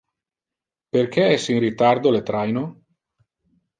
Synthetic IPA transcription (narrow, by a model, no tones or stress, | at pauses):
perkeɛsiŋrit̪aɾd̪olet̪ɾajno